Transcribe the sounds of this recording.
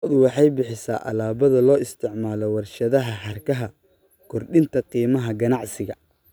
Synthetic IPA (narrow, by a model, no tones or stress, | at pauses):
d̪wɑħɑjbɪħɪsa̰ːʔɐ̰laːβɐðɐlɔːɪst̪ʰɪʕmaːlɔwɑrʃɐðɐɦɐħɐrkʰɐɦɐ | kʰɔrɗɪnt̪ʰɐqiːmɐɦɐɡɐnɑʕsɪɣɐ